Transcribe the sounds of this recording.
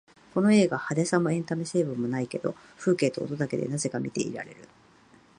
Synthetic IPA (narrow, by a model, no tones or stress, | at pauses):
ko̞no̞e̞ːɡahad̪esãmːo̞ẽ̞nt̪amese̞ːbɯ̟̃mːo̞naike̞d̪o̞̰ | ɸɯ̟ːke̞ːt̪o̞o̰t̪od̪ake̞̰d̪e̞̰naze̞kamʲit̪e̞̰ʔḭɾa̰ɾe̞̰ɾɯ̟